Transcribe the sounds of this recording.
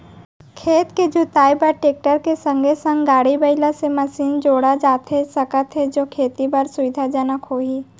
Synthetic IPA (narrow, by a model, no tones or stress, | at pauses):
kʰeːt̪ked͡ʒʊt̪aːjbəɾʈeːk̚ʈəɾkesə̃ŋɡʱesə̃ŋɡɡaːɽibəɪlasemɐsiːnd͡ʒoːɽad͡ʒaːt̪ɦesəkət̪ɦed͡ʒoːkʰeːt̪ibəɾsʊʋɪd̪ʱad͡ʒənəkɦoːiː